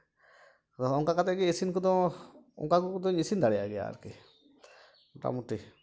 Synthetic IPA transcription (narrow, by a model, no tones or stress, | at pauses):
ɔɔŋkakat̪ɛʔɡɛisinkɔd̪ɔɔ̰ŋkakɔkɔd̪ɔɲisind̪aɽɛja̰ɡɛja̰ɾkɛ | ʈa̰muʈi